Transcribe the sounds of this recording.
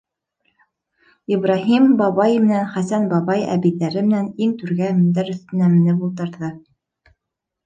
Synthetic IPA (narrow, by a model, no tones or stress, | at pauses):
ibrɑɦimbɑβɑjmɘ̆nænχæsænbɑβɑjæ̰βiðæɾɘmɘ̆næniŋt̪ʉɾɡæmɵ̆nd̪æɾɵ̆θt̪ɘ̆næmɘ̆nɘbulˠt̪ɤ̆ɾðɤ